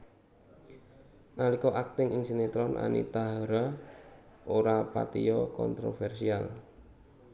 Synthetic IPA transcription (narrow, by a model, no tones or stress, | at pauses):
nalikɔʔak̚t̪ɪŋɪŋsinet̪ɾɔnʔa̰nḭt̪aɦaɾa | oɾapa̰t̪ijɔkɔ̰nt̪ɾofɛrsial